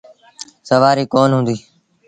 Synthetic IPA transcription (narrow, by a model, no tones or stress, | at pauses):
səʋaːɾiːkoːnɦʊ̃ːnd̪iː